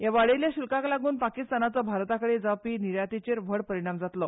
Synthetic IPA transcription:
jaʋaɭeljaɕulkãklaɡuːnpakist̪anat͡sɔbʱaɾt̪akəɽed͡zapiːniɾjat̪it͡ɕeɾʋʱəɽpəɾiɽ̃amd͡zat̪lɔ

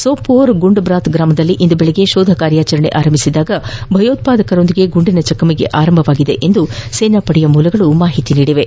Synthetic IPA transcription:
soːpoːɾɡuɳɖbɾaːt̪ɡɾaːmɐd̪ɐlːiʔind̪ubeɭeɡe̞ʃoːd̪ʱɐkaːɾjaːt͡ʃɐɾɐɳe̞̰ʔaːɾɐmbʱisid̪aːɡɐbʱɐjoːt̪̚paːd̪ɐkɐɾo̞nd̪iɡe̞ɡuɳɖinɐt͡ʃɐkɐmiɡe̞̰ʔaːɾɐmbʱɐʋaːɡid̪e̞ʔend̪useːnapɐɽijɐmuːlɐɡɐɭumaːɦit̪iniːɽiʋe̞

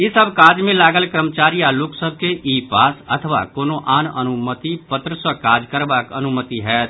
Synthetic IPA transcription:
ɪsəbkaːd͡ʒmẽlaːɡəlkɾəmət͡ʃaːɾijalʊksəb̚ʱkeʔiːpaːsət̪ʰəʋa̰koːnoʔaːnə̰nʊmət̪ipət̪ɾəswəkaːd͡ʒkəɾbakənʊmət̪iɦɛːt̪ʰ

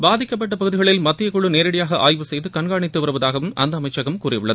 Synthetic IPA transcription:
baːðɪkʲːɐp̬ːɐʈːɐpɐɣɯðɪɣɐɭɪlmɐt̪ːɪjɐkʊɭɯneːɾɪɽɐjaːɣɐʔaːjʋɯsɛjðɯkɐɳɡaːɳɪt̪ːɯʋɐɾɯʋɐðaːɣɐʋɯmʔɐ̰nd̪ɐɐmɐɪt͡ʃːɐɣɐmkuːrɪjʊɭːɐðɯ

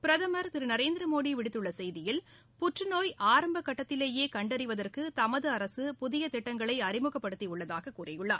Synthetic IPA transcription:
pɪɾɐðɐmɐɾt̪ɪɾɯnɐɾeːnd̪ɪɾɐmoːɽiʋɪɽɪt̪ːɯɭːɐsɛjðɪjɪl | pʊʈrɯnoːjʔaːɾɐmbɐkːɐʈːɐt̪ːɪleːjeːkɐɳɖɐɾɪʋɐðɐrkɯt̪ɐmɐðɯɐɾɐsɯpʊðɪjɐt̪ɪʈːɐŋɡɐɭɐɪɐɾɪmɯɣɐpːɐɽɯt̪ːiʊɭːɐðaːɣɐkuːrɐjɯɭːa̰ːɾ

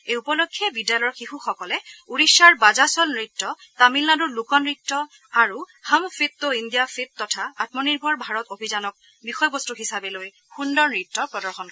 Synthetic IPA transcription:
ejupɔlokʰːiɛbidjalɔɔɹxixuxɔkɔlɛuɹiʃaɹbazasɔlnɹitːɔ | tamilnadɔɹlukɔnɹitːɔ | aɹu | hamfʰitːoindijafit̚ːɔtʰaatmɔniɹbʱɔɹbʱaɹɔtobʱizanɔk̚ | bixɔjbɔstuɦisabɛloj | xundɔɹnɹitːɔpɹɔdɔɹxɔn

